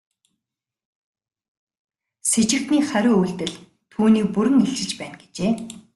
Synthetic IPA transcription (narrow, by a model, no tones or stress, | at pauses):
set͡ɕɪ̆kt̪niːχæɾʲʊːuɮt̪ɘ̆ɮ | t̪ʰuːniːk̚puɾɘ̆ŋext͡ɕɪ̆ɮt͡ɕpæːnɡet͡ɕeː